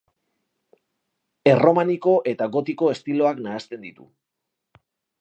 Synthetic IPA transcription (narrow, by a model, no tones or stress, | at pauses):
e̞ro̞maniko̞ʔe̞t̪aɣo̞t̪iko̞e̞st̪ilo̞aknaːst̪e̞nd̪it̪ṵ